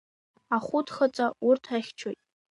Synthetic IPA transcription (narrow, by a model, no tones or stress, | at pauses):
aχʷʊtʰχət͡sʼaurtʰaχʲt͡ʃʰojtʼ